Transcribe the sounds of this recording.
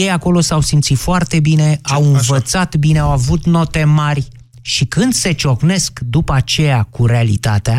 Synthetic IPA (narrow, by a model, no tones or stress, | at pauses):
jejako̞lo̞sawsimt̪sit̪foart̪e̞bine̞awɨnvət̪sat̪bineawavut̪no̞t̪e̞marʲ | ʃikɨnd̪se̞t͡ʃo̞kne̞skd̪upəat͡ʃe̞jakuɾe̞alḭt̪at̪ea